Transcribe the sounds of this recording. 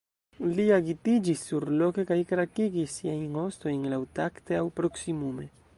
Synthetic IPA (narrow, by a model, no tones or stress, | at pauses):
liaɡit̪id͡ʒisːuɾloke̞kajkɾakiɡisːiajno̞st̪ojnlawt̪akt̪eawpɾoksimume